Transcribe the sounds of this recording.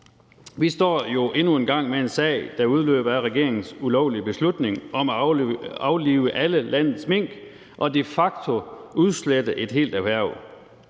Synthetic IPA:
ʋisd̥ɒ̰ːjo̝ʔe̝nue̝nɡ̥ɑ̈ŋ̰mee̝nsɛ̰ɪd̥ɑ̈uð̞ˠlø̰ːb̥ɐæʁɛɡ̥e̝ɐe̝ŋn̩sulɒʊlib̥e̝slud̥ne̝ŋɒ̽mæɑ̈ʊliːʊəʔæləlæn̰ð̩ˠsme̝ŋ̰ɡ̥ | ʔɒ̽d̥e̝fɑ̈ɡ̥t͡sʰo̝uð̞ˠsled̥əʔe̝d̥ɦe̝̰ːld̥æʋæɐ̰ʊ

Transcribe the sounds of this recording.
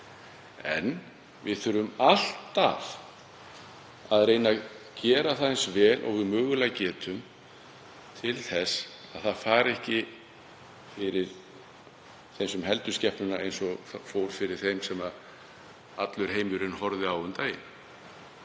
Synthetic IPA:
ɛ̰n | vɪðθʏɾʏmal̥t̪a̰v̥ | aðɾeːjna | cɛːɾaθaejnsvɛːlʔɔ̰ɣvɪðmʏːɣʏlaɣcɛːt̪ʰʏm | t̪ʰɪlθɛsaðθaðfaːɾɛhcɪ | fɪɾɪɾ̥ | θejmsʏmɦɛlt̪ʏscɛhpnʏnaejnsɔfoːwɾ̥fɪɾɪɾ̥θejmsɛmað | at̪lʏɾ̥ɦejmʏɾɪnhɔɾðɪawʏnt̪aːjɪ̰n

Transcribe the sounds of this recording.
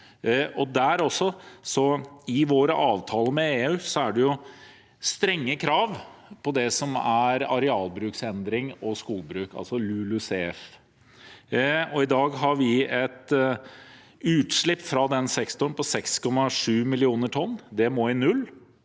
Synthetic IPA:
ɔd̪æɾɔsːɔsɔɪʋoːɾəʔɑːʋt̪ʰɑːləmɛeːʉːsɔæɖɛjʊ | st̪ɾɛŋːəkʰɾɑːʋpʰɔd̪ɛsɔmæɾɑɾɛɑːlbɾʉːksɛnd̪ɾɪŋɔskuːlbɾʉːkɑ̰lsɔlʉlʉseːɛf | ɔɪd̪ɑːɡɦɑɾʋɪɛt̪ | ʉːt̪ʂɭɪpːfɾɑd̪ɛnsɛkst̪ʊnpɔsɛkskʰɔmːɑʂʉːmɪlɪuːnəʈʰɔnːd̪ɛmoɪnʉlː

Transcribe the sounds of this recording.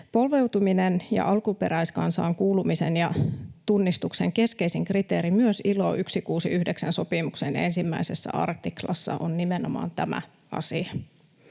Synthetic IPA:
po̞lʋe̞wt̪uminenjɑ̰ʔɑlkupe̞ɾæjskɑnsɑ̰ːŋkuːlumisenjɑt̪unːist̪ukseŋke̞ske̞isiŋkrit̪eːɾimyøsilo̞̰ʔyksikuːsiyhdeksænso̞pimuksene̞̰nsimːæ̰isesːæ̰ɑ̰rt̪iklɑ̰sːɑ̰ʔonnimenomɑ̰ːnt̪æmæ̰ | ɑ̰siɑ

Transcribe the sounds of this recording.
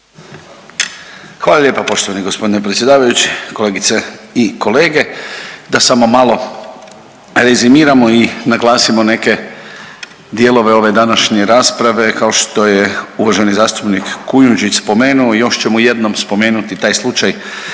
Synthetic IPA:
xʋaːlˠalʲje̞ːpapo̞ʃt̪oʋaniɡospo̞d̪inepɾet̪sʲje̞d̪aːʋajut͡ɕi̥ko̞le̞ːɡit̪seiko̞le̞ːɡe̞d̪asamo̞malo̞ | ɾezimiːɾamo̞inaɡlˠaːsimo̞ne̞ke̞ | d̪jelo̞ʋe̞o̞ʋe̞d̪anaʃɲe̞ɾaːspɾaʋe̞kao̞ʃt̪o̞jeuʋaʒe̞nizaːst̪upnikːujund͡ʒispo̞meːnuoijo̞ʃt͡ɕe̞muje̞d̪no̞mspo̞me̞ːnut̪it̪aːjslˠut͡ʃaj

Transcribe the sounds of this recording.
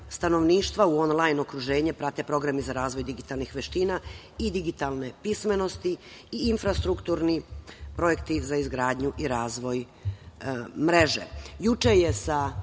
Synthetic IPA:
st̪ano̞ʋniːʃt̪ʋauo̞nlajno̞kɾuʒe̞ːɲe̞pɾat̪e̞pɾo̞ɡɾamizaɾaːzʋo̞jd̪iɡit̪alˠnixʋeʃt̪iːna | id̪iɡit̪alne̞pisme̞no̞st̪iːnfɾast̪ɾukt̪uːɾnipɾo̞je̞kt̪izaizɡɾaːd̪ɲuʔiɾaːzʋo̞j | mɾe̞ʒḛjut͡ʃeje̞sa

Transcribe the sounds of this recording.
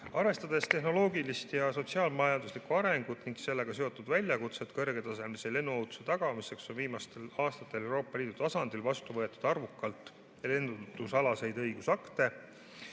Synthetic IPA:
ɑɾve̞st̪ɑd̪̥e̞st̪e̞ɦno̞lo̞ːɡilist̪jɑso̞t̪ʲsiɑːlmɑjɑnd̪uslikːuɑɾe̞ŋɡ̥ut̪ːˑniŋɡse̞lːe̞ɡ̥ɑse̞o̞t̪ːˑud̪̥vælʲjɑkut̪se̞t̪kɤ̞rɡ̥e̞t̪ɑse̞mlisele̞nːuowt̪u̥set̪ɑɡ̥ɑmise̞kso̞nviːmɑst̪e̞lɑːst̪ɑt̪ːˑe̞le̞wɾo̞ːpːˑɑliːd̪ut̪ɑsɑnd̪̥ilvɑst̪uvɤ̞et̪ːˑu̥d̪̥ɑrvukːˑɑlt̪ˑ | le̞nd̪ud̪̥usɑlɑse̞jd̪ɤjɡusɑkt̪e̞

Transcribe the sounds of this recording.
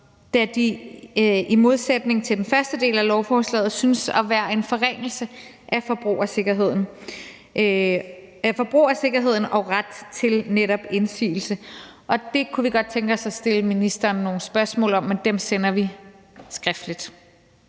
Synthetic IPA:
d̥æd̥i | imo̝ð̞ˠsed̥ne̝ŋt͡sʰe̝ld̥enfɶɐsd̥əd̥e̝̰ːlælɒʊfɒːslɛ̰ːð̞̩ˠsynsɒʋæːɐe̝nfɒ̽ʁeŋ̰l̩sə | ʔæfɒ̽b̥ʁṵːɐse̝ɡ̥ɐɦe̝ð̞̰ˠn̩ | fɒ̽b̥ʁṵːɐse̝ɡ̥ɐɦe̝ð̞̰ˠn̩ɒ̽ʁad̥t͡sʰe̝lneɾɒ̽b̥e̝nsḭːl̩sə | ʔɒ̽d̥e̝kʰuʋiɡ̥ɒ̽d̥̚t͡sʰeŋɡ̥ɒ̽sæsd̥e̝ləminisd̥ɐːnːo̝ːn̩sb̥ɶɐsmɔ̰̽ːlɒ̽mːend̥emsenɐʋi | sɡ̥ʁɛfd̥lid̥

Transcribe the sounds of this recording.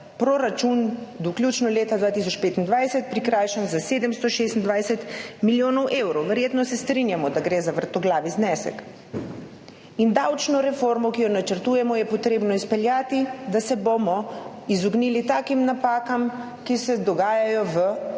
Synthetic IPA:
pɾoɾat͡ʃund̪ɔklʲjuːt͡ʃnɔleːt̪ad̪ʋaːt̪is̬ɔt͡ʃpeːt̪ind̪ʋajsɛt̪̚pɾikɾaːjʃɛnzaseːd̪ɛmst̪ɔʃeːst̪nd̪ʋajsɛt̪miljoːnɔwʔeːwɾɔwʋəɾjeːt̪nɔsɛst̪ɾinjamɔd̪aɡɾeːzaʋəɾt̪ɔɡlaːʋiznɛːsɛ̰k | ind̪awt͡ʃnɔɾɛfoɾmɔkijɔnat͡ʃəɾt̪uːjɛmɔjɛpɔt̪ɾeːbnɔispɛljaːt̪id̪asɛbomɔizuɡniːlit̪aːkimnapaːkam | kisɛd̪ɔɡaːjajɔʋə

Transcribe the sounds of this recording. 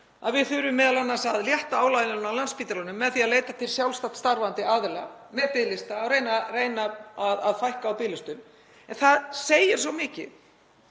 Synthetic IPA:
aðvɪðθʏɾʏmːɛːðalanːansaðljɛht̪aaːwlajnnnawlanspiːt̪alɔnʏmːɛðθiaðleːjt̪at̪ʰɪlsjawlst̪at̪st̪aɾvant̪ɪaːðɪla̰mɛðpɪðlɪst̪aːwɾejnareːjnaaðaðfajhkaːwpɪːlɪst̪ʏm | ɛnθaðseːjɪɾ̥svɔwmɪːcɪ̰

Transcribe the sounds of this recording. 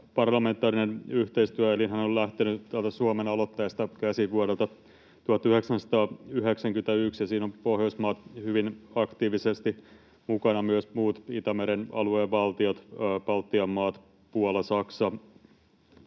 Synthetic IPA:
pɑrlɑment̪ːˑɑːrinenyht̪eist̪yæelinɦænollæht̪enyt̪ælt̪æsuomenɑlot̪ːɑjest̪ɑkæsiʋuoɾelt̪ɑ | t̪uhɑt̪yheksænsɑ̥t̪ɑːyɦeksæŋkyĕt̪æyksjɑsiːnompohjousmɑːt̪hyʋinɑkt̪iːʋisest̪i | mukɑnɑmyøsmuːt̪it̪æmeɾenɑ̰lueːʋɑlt̪iot̪ːpɑlt̪ːiɑmːɑːt̪ | puolɑsɑksɑ

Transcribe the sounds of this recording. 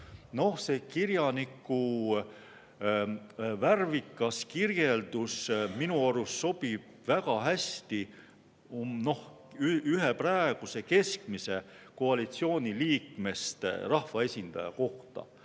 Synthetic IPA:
no̞hse̞ːkiɾjɑnikːˑu | værvikːˑɑskirje̞ld̪usminuɑɾusːo̞b̥ib̥̚væɡ̥ɑɦæst̪i | omno̞h | yyɦe̞præeɡ̥use̞ke̞skmise̞ | ko̞ɑlit̪sio̞ːnʲiliːkme̞st̪rɑhvɑe̞sʲind̪̥ɑ̰jɑ̰ko̞ht̪ɑ̰

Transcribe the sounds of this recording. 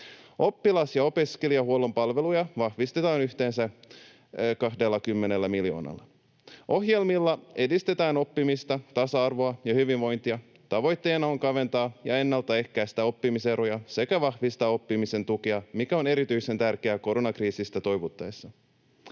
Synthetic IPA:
o̞pːilɑsjɑo̞peskeliɑhuolo̞mpɑlʋe̞lujɑʋɑhʋist̪e̞t̪ɑːnyht̪e̞ːnsæ | kɑɦde̞lːɑkymːenelːæmiljo̞̰ːnɑ̰lːɑ | ʔo̞hje̞lmilːɑe̞dist̪e̞t̪æːno̞pːimist̪ɑt̪ɑsɑɑrʋo̞ɑjɑhyʋinʋo̞jnt̪iɑ | t̪ɑʋo̞jt̪ːe̞ːnɑoŋkɑʋe̞nt̪ɑːjɑe̞nːɑlt̪ːɑe̞hkæjst̪æo̞pːimise̞ɾojɑse̞kæʋɑhʋist̪ɑːo̞pːimise̞nt̪ukiɑmikæo̞ne̞ɾit̪yjse̞nt̪ærkeæko̞ɾo̞nɑkriːsist̪æt̪o̞jʋut̪ːɑesːɑ

